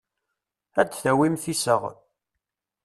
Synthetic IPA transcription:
æt͡sːθæwimθisəʁ

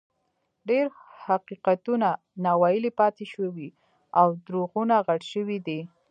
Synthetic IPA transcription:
ɖeɾhaqiqat̪una | nawɑjɪlepɑt̪eʃəwi | awd̪ɾoɣunaɣaɽʃəwid̪i

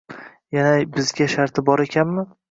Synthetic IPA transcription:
janabɪzɡʲaʃaɾt̪ʰɪbɒɾekʲʰanmɪ

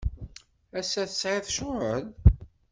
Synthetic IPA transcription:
æsːæθəsʕɪðʃʊəl

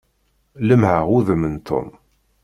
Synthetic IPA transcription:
ləmhəʁuðəmənt̪ʰo̰m

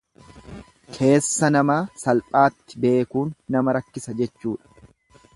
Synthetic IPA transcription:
kʰe̞ːsːɐnɐmaːsɐlpʼaːt̪ːɪ̥be̞ːkuːnːɐmɐɾɐkːɪsɐd͡ʒɛt͡ʃːuːᶑɐ̥

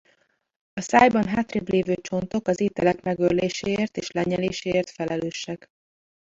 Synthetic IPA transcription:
ɒsaːjbɒnɦaːt̪reːbleːvøːt͡ʃo̞nt̪o̞kɒzeːt̪ɛlɛkmɛɡørleːʃeːeːrt̪ḛːʃlɛɲɛleːʃeːrt̪fɛlɛløːʃɛk

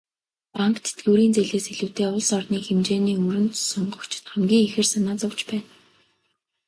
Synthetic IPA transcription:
paŋkt̪ʰe̥t̪ɡuːɾiːnt͡seɮeːseɮɘ̆wt̪eːʊɮsɔrniːxemt͡ɕeːniːɵɾɵ̆nt̪sʊɴɢɞ̆kt͡ɕʰt̪χamɡʲiːŋexɘ̆rsanaːt͡sʊwt͡ɕpæːn

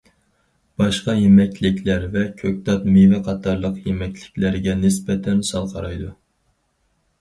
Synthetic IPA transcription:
b̥ɑʃqɑjemɛkʲlɪkʲʰlæɾvɛkʲʰøk̚ʲt̪ɑt̪mevɛqʰɑt̪ʰɑɾlˠəqjemɛkʲlɪkʲlæɾɡʲɛnɪsbɛt̪ʰɛnsɑlˠqʰɑɾɑjd̪u

